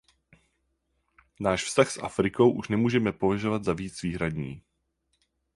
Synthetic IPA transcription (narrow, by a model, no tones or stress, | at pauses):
naːʃfst̪axsʔa̰fɾɪko̞wʔuʃnɛmuːʒɛmɛpovaʒovad̪zaviːt͡sviːɦɾadɲḭː